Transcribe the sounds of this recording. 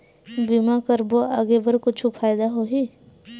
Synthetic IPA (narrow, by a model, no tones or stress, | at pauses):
bimakəɾboaːɡebəɾkʊt͡ʃʰupʰaːjd̪aɦoːɦi